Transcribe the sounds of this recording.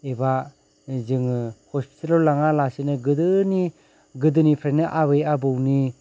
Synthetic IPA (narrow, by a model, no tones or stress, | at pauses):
eba | zɯŋhɔspʰi̥tʰalɔlːaŋalasinɯɡɯdɯni | ɡɯdɯnipʰɾanɯʔabejabɯwni